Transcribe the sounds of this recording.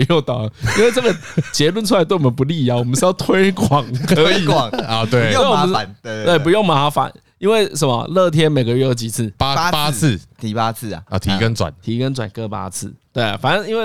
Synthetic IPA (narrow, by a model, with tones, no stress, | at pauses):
jo˥˩ʊt̪ɑ˨˩ʊ˨i˥nwe˧ɪʈ͡ʂə˥˨˩ɡə˨t͡ɕjɛ˧˥lwə˥˧nʈ͡ʂʰu˥a˧ɪt̪we˥˩˨wɔ˨˩mə˧npu˧˦li˥˨a˨˩wɔ˨˩mə˦nʂ̩˥˧jɑ˥˧ʊt̪ʰwe˥ɪkwɑ˨˩ŋkʰə˧˦i˨wŋɔ˧t̪we˥˩˥wɔ˨˦˨n˧we˥˩pu˧jo˥˩ŋma˨a˧˩fa̰˨˦n | i˥nwe˥˩ɪʂə˧˦nmɔ̰˧˨lɤ˥˨t̪ʰjɛ˦˥nme˨˩ɪɡə˧ɥɛ˥˩jo˧˥ʊt͡ɕi˨˩t͡s̩ʰ˥˩pa˥˦˥pa˥˧˨t̪ʰi˧pa˦˥t͡sʰɨ̰˥˩˨t̪ʰi˨˧˦kə˦nt͡swa̰˨˩˦nt̪ʰi˧˥kə˦nt͡swa˨˩nkɤ˥˧pa̰˥t͡s̩ʰ˥˩t̪we˥˩ɪa̰˩fa˨nə˧˦ŋi˥nwe˥˩ɪ